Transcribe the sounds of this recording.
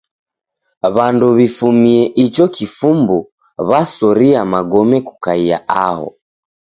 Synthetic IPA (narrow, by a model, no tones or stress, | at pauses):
βanduβifumiɛʔit͡ʃɔkifumbu | βasɔɾiamaɡɔmɛku̥kaia̰ʔaɦɔ̰